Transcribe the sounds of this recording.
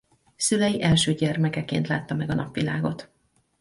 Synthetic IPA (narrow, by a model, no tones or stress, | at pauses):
sylɛjiʔɛlʃøːɟɛrmɛkɛkḛːnt̪la̰ːt̪ːɒmɛɡɒnɒpʋila̰ːɡo̞t̪